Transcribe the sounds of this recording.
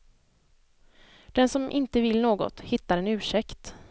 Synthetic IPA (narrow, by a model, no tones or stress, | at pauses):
d̪̥ɛnsɔmʔɪnt̪əvɪlnoːɡɔ̰t̪hɪt̪ːaɾɛnʉ̟ːʂɛkt̪